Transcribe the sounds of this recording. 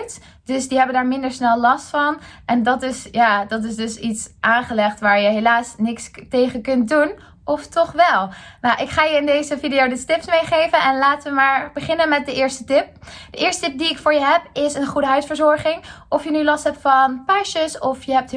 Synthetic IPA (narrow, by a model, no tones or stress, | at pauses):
t | d̥ɵsdiɦɛbəndaːɹmɪndəɹsnɛlˠlɑstfɑnʔɛndɑtɪsjaːdɑtɪsdɵsitsʔaːnχəlɛχtʋaːɹjəɦelaːsnɪkstejχəkɵnt̚dun | ʔɔftɔχʋɛlˠnawʔɪkχaːjəɪndejzəvidijowdəstɪpsmejχejvənʔɛnlaːtəʋəmaːɹbəχɪnənmɛt̚dəʔɪːɹstətɪp̚d̥əʔɪːɹstətɪp̚diɪkfʊːɹjəɦɛpɪsənχudəɦœɥsfəɹzɔɹχɪŋʔɔfjənylɑstɦɛp̚tfɑnpaʃəsɔfjəɦɛp̚t